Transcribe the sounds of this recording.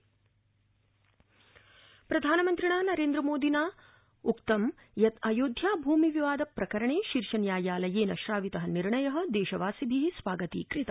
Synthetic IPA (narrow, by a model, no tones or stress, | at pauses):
pɾɐd̪ʱaːnɐmɐnt̪ɾiɳaːnɐɾeːnd̪ɾɐmoːd̪inaː | ukt̪ɐm | jɐt̪ɐjoːd̪ʱjaːbʱuːmiʋiʋaːd̪ɐpɾɐkɐɾɐɳeːʃiɾʃɐɳjaːjaːlɐjeːnɐʃɾaːʋit̪ɐɦɐniɾɳɐjɐɦɐ̆d̪eːʃɐʋaːsibʱisʋaːɡɐt̪ḭːkɾit̪ɐ